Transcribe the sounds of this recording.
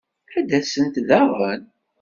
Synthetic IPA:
æd̪ːæsənt̪ðæʁən

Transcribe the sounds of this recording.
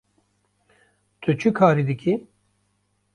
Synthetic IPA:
t̪ʰɨt͡ʃʰukʰaːɾiːd̪ɨki

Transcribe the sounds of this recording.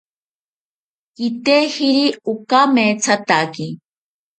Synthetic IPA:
kit̪ehiɾiukamet͡sʰat̪aki

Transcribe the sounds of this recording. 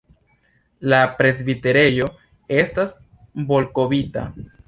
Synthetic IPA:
lapɾe̞zbite̞ɾe̞jo̞ | e̞stas | bo̞lko̞bita̰

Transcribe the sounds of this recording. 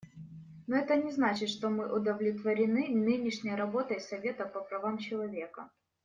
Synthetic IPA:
noɛt̪ənʲɪznat͡ɕɪt̪ʂt̪omɨʔʊd̪əvlʲɪt̪vəɾʲɪnɨnɨnʲɪʂnʲɪjəɾɐbo̞t̪əjsɐvʲet̪əpəpɾɐvamt͡ɕɪlˠɐvʲe̞kə

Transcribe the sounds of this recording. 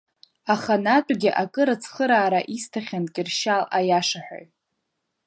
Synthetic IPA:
aχanatʷʼɡʲɪʔakʼɨɾat͡sʰχəɾaːɾaʔistʰaχʲankʲʼɪrʃalajaʂaħʷᶣa̰jʼ

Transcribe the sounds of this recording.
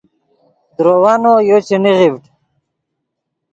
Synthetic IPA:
d̪ɾowanojot͡ɕeniʁivʈ

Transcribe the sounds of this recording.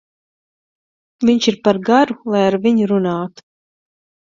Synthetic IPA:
vʲiɲt͡ʃiɾpaɾɡaɾulˠajaɾviɲuɾunaːt̪u̥

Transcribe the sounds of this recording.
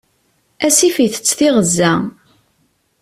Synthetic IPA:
æsifiθə̥t͡sːθiʁəzːæ

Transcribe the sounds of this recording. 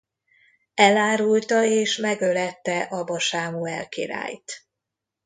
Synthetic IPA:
ɛlaːɾult̪ɒeːʃmɛɡølɛt̪ːɛʔɒbɒʃaːmuɛ̰lkḭɾa̰ːjt̪

